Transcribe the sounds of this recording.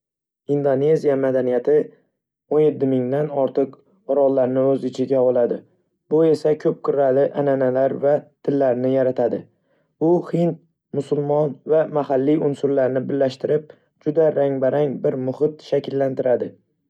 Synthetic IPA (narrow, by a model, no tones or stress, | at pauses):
ind̪one̞zijamad̪anijat̪ʰɪ | onje̞t̪ʰːɪmɪŋd̪anɒɾt̪ʰɨq | ɒɾɒlˠlːaɾnɪɵzɪt͡ʃʰɪɡʲaɒlˠad̪ɪ | bʊe̞sakʰɵp̚kʰʊɾalɪʔananalaɾvat̪ʰɪlːaɾnɪjaɾat̪ʰad̪ɪ | bʊhɪnt̪̚ | mʊsʊlˠmɒnvamahalːiʊnsʊɾlaɾnɪbɪlːaʃt̪ɪɾɪp̚ | d͡ʒʊd̪aɾaŋbaɾaŋbɪɾmʊhɪt̪ʃakʲʰɪlːant̪ɪɾad̪ɪ